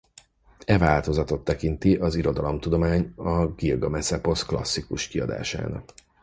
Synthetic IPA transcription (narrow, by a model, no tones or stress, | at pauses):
ɛvaːlt̪o̞zɒt̪o̞t̪ːɛkint̪iʔɒziɾo̞d̪ɒlo̞mt̪ud̪o̞maːɲɒɡilɡɒmɛsɛpo̞sklɒ̰sːikuʃkiɒ̰d̪a̰ːʃa̰ːnɒ̰k